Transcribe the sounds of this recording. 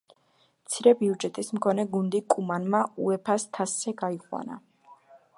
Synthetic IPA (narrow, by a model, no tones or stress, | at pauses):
mt̪sʰiɾɛbiud͡ʒɛt̪ʼismkʰɔnɛɡund̪ikʼumanmauɛpʰast̪ʰasːɛɡaiqʼwa̰na̰